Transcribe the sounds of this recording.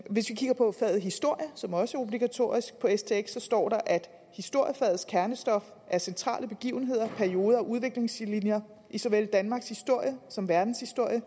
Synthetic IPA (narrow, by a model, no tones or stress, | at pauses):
ʋe̝sʋikʰiɡ̥ɐpʰɒ̽fɛð̩ˠɦisd̥o̝ɐ̰jəsɒ̽mɒ̽səæɐo̝b̥liɡ̥æt͡sʰo̝̰ːɐisɡ̥̚pʰɒ̽est͡sʰe̝eɡ̥sɒ̽sd̥ɒ̰ːɾɑ̈ʔæd̥ | hisd̥o̝ɐ̰jəfɛð̩ˠskʰæɐnəsd̥ɒ̽f | ʔæɐsent͡sʰʁɑ̰̈ːləb̥e̝ɡ̥ḭːʊn̩ɦe̝ð̞̰ˠɐpʰæɐio̝ːðˠɐɒʔuð̞ˠʋe̝ɡ̥le̝ŋslinjɐ | ʔisɒʋeld̥ænmɑ̈ːɡ̥shisd̥o̝ɐ̰jəsɒ̽mʋæɐd̥n̩shisd̥o̝ɐ̰jə